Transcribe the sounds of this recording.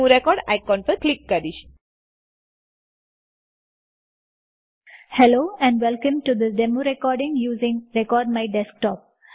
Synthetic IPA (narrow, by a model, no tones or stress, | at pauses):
uɾekɔːɖaɪkɔ̃nfəɾklikːaɖiʃ | hɛloːɛ̃ɳɖʋɛlkə̃mʈud̪əɖemuɾekɔːɾɖɪ̃ŋjuːzɪ̃ŋɾekɔːɾɖ̚maɪɖɛsk̚ʈɔːp̚